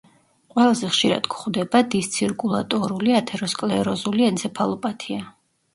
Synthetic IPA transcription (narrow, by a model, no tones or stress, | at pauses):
qʼwɛlˠazɛχʃiɾa̰d̪̥ɡχd̪ɛbad̪ist̪sʰiɾkʼulˠat̪ʼɔɾuliat̪ʰɛɾɔskʼlɛɾɔzuliɛnsʰɛpʰalˠɔpʼat̪ʰia